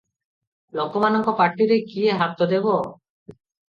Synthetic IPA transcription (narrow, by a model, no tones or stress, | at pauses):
lokɔmanɔŋkɔpaɾʈiɾekieɦat̪ɔd̪ebɔ